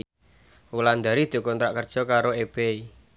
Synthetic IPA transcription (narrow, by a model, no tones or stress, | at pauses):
wuland̪aɾid̪̥ṳkɔnt̪ɾaʔkərd̥ʒ̥ɔ̤kaɾoeb̥ei